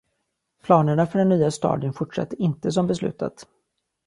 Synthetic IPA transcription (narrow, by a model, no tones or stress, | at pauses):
pʰlɑːnəɳafœɖɛnːyːast̪ɑ̰ːd̪ənfʊʈʂa̰t̪ːəɾɪnt̪əs̬ɔmbɛslʉ̟ːt̪ʰa̰t̪